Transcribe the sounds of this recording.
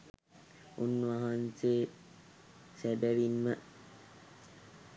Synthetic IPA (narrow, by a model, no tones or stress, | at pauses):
unːuʋaɦanseː | sæbæʋimːə